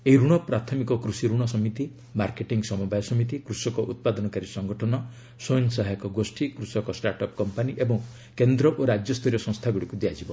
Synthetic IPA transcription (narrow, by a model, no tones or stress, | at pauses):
eiɾuɽ̃ɔpɾat̪ʰɔmikɔkɾusiɾuɽ̃ɔsɔmit̪i | maɾkeʈiŋɡsɔmɔbajɔsɔmit̪̬ikɾusɔkɔʔut̪̚pad̪ɔnɔkaɾisɔŋɡɔʈʰɔnɔ | sojnsaɦajkɔɡosʈʰikɾusɔkɔsʈaɾʈɔp̚kɔmpaniʔebɔŋ | kend̪ɾɔʔoɾad͡ʒjɔst̪ʰɔɾjɔsɔ̃ŋ̃st̪ʰaɡuɽikud̪ejad͡ʒibɔ